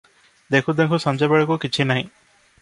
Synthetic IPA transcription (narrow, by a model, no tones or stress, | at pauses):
d̪ekʰud̪ekʰusɔmd͡ʒabeɭekukit͡ʃʰinaɦĩ